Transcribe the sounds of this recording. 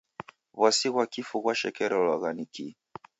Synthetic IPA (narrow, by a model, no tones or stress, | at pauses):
βwasiɣwakifuɣwaʃɛkɛɾɔlwaɣaniki